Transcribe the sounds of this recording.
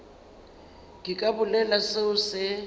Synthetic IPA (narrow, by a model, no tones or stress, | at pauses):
kʼɪkʼabʊlɛlaseʊsɪ